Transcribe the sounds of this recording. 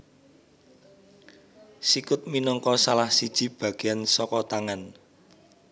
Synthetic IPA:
sikʊt̪̚minɔŋkɔsalahsid̥ʒ̥i̤b̥a̤ɡ̥eansɔkɔt̪aŋan

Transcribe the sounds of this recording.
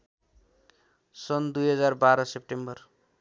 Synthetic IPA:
sʌnd̪ujɦʌd͡zarbaɾʌsep̚ʈembʌr

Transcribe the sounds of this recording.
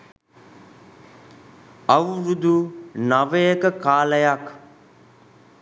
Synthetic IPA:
ɐwɾud̪unaʋejəkəkaːləjak

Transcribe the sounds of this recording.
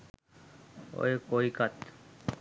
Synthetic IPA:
o̰jkojkat̪

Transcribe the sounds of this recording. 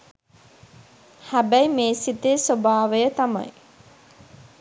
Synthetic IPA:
hæbæjmeːsit̪esobaːʋəjət̪ama̰j

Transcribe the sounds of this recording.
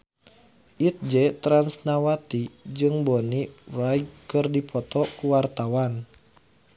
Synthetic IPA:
ʔit̪̚d͡ʒɛt̪ɾansnawat̪id͡ʒɨŋbɔnirajɡkɨrdipʰɔt̪ɔkuwart̪awan

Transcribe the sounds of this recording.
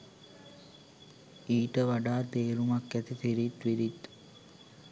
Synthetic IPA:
iːʈəʋaɖaːt̪eːɾumakːæt̪it̪iɾit̪ʋiɾit̪

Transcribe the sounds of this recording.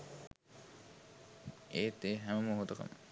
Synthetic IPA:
eːt̪eɦæməmuɦot̪oko̰m

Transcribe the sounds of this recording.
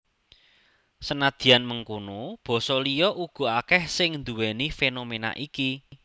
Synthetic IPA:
sənad̪̥i̤janməŋkunob̥ɔ̤sɔlijɔʔuɡ̥ɔ̤akɛhsɪŋnd̪uwɛnifenomena̰ʔiki

